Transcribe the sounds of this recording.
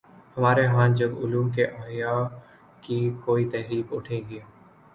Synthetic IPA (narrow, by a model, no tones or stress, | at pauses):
həmaːɾeɦãːnd͡ʒəɡʊ̰luːmkeʔaɦjaː | kikoːit̪ɛɦɾiːkʊʈʰẽɡe